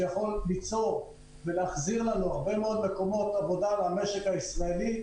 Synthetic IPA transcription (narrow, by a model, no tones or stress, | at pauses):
jaχo̞lːit͡so̞ʁ | veleaχziʁlanuaʁbe̞meo̞d̪me̞ko̞mo̞t̪avo̞d̪alame̞ʃe̞kaisʁaeli